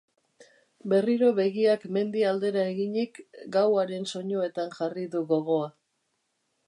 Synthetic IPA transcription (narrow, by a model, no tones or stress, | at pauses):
be̞riɾo̞βe̞ɣiakme̞nd̪iald̪e̞ɾae̞ɣiɲikɡawaɾe̞nso̞ɲo̞e̞t̪anʝariðuɣo̞ɣ̞o̞a